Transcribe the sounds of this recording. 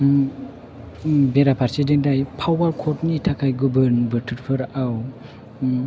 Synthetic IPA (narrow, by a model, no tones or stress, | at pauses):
beɾapʰaɾsidendajpʰawaɾkʰɔtnitʰakʰajɡubɯɾnbɯɾtʰɯɾpʰɯɾaw